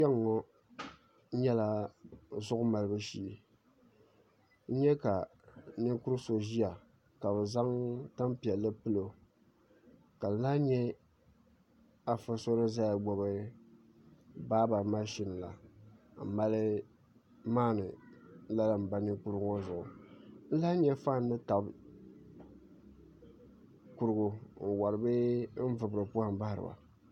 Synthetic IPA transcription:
ɛ˦ŋː˨ɔ˦ | ɲɛ˦la˦zʊ˦ʔʊ˦ma˨lɨ˦bɨ˦ʃiː˦˨ | n̩˦ɲɛ˦ka˨ | nɨ˦ku˦ɾɨ˦so˨ʒi˦a˨ | ka˨bɛ˨za˦ŋta˦mpi˨ɛ˨lːɨ˦pɨ˦lo˨ | ka˨lɨ˨naː˦ɲɛ˦ | a˨fɨ˦so˦ɾɨ˦za˦ja˨ɡ͡bɔ˨bɨ˦ | baː˦ba˨ma˦ʃi˦na˨la̰˨m̩˨ma˦lɨ˦ | maː˦nɨ˨la˦la˦˨m̩˨ba˦ni˦ku˦ɾʊ˦ɡzʊ˨ʔʊ̰˨n̩˦la˦ɲɛ˦fa˦˨nː˦ɨ˦ta˨b | ku˦ɾɨ˦ɡʊ˦n̩˨wa˨ɾɨ˨bɨ˦n̩˦vɨ˨bɾɨ˨pu˦a˨m˦ba˦hɾɨ̰˨ba̰˨

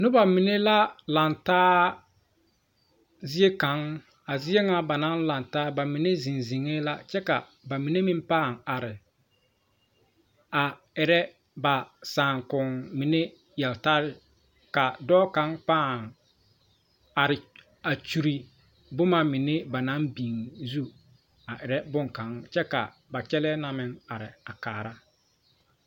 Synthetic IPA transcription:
nʊ˦ba˨mi˨ne˦la˦la˨ntaː˦ | zɪ˦e˦ka˨˦ŋ | a˨zɪ˦e˦ŋa˦ba˨na˦nla˨ntaː˦ba˨mɪ˨ne˦zi˨nzi˨ŋe˦la˦t͡ʃɛ˦ka̰˨ | ba˨mi˨ne˦mi˦mpaː˦˨ŋa˨ɾɪ˨ | a˨ | ɪ˨ɾɛ˦ | ba˨saː˨ŋkʊ˨ŋmi˨ne˦ | jɛ˨lta˦ɾɪ˦ | ka˨dɔː˦ka˦ŋpaː˦˨ŋ | a˨ɾɪ˨ | a˨t͡ʃu˨ɾi˨ | bʊ˦ma˦mɪ˨ne˦ba˨na˨˦mbiː˨ŋzu˦ | a˨ʔɪ˨ɾɛ˦bʊ˦ŋka˨˦ŋt͡ʃɛ˦ka̰˨ | ba˨t͡ʃɛ˦lɛ˦na˦mɪ˦ŋa˨ɾɪ̰˨a˨kaː˨ɾa˦

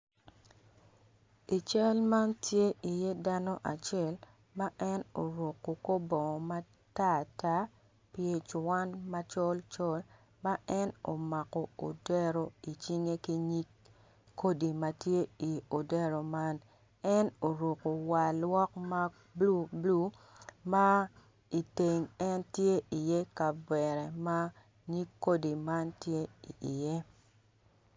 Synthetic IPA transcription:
i˨t͡ʃɛ˦lma˦ntje˦i˨je˦da˦nɔ˦ʔa˨t͡ʃɛ˦˨l | ma˦ʔɛ˦no˨ɾo˨kːo˨ko˦bɔ˨ma˦ | ta˦˨ta˦ | pje˦t͡ʃwa˦nma˦t͡ʃɔ˦lt͡ʃɔ˦l | ma˦ʔɛ˦no˨ma˨kɔ˨o̰˨dɛ˦ɾo˨i˨t͡ʃi˦ŋe˦ki˦ɲi˦kː | o˦di˨ma˦tje˦i˨o˨de˦ɾo˨ma˦n | ɛ˦no˨ɾu˨ko˨wa˨lwɔ˦kma˦ | blu˦blu˦ | ma˦ | i˨te˨ŋɛ˦ntje˦ʔi˨je˦ka˨bwɛ˨ɾɛ˨ma˦ | ɲi˦kːo˦di˨ma˦ntje˦ḭ˨i˨je˦

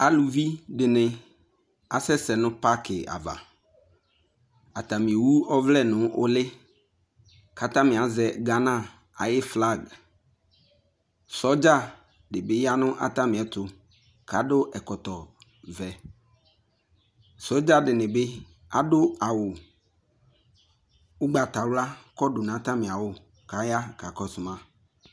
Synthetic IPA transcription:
a˨lu˨vi˦dɪ˨nɪ̃˨ | a˨sɛ˦sɛ˨nʊ̃˦pa˦kɪ˨a̰˨va̰˨ | a˨t̪a˨mĩ˨e˨wu˦ɔ˦vlɛ˦˨nʊ̃˦ʔʊ˦lɪ˦ | kʰa˨t̪ã˦mɪ̃˨a˨zɛ˨ɡa˨nã˦˨ | a̰˨jɪ˦fla˦˨ɡ | sɔ˦d͡ʒa˦˨ | ɖe˨be˦ja˦nʊ̃˦ʔa̰˨t̪ã˦mĩ˨ɛ˨t̪ʊ˨ | ka˨˦ɖo˦ʔɛ˨kɔ˨t̪ɔ˨ | vɛ˨ | sɔ˦d͡ʒa˦ɖɪ˨nẽ˨be˦ | a˨ɖo˦a˨wo˨ | wo˦ɡ͡ba˨t̪a˨wla˦kɔ˦ɖo˨nã˨˦t̪ã˦mĩ˨a˨wo˦ | ka˨˦ja˦ka˨kɔ˦sʊ˨mã˦

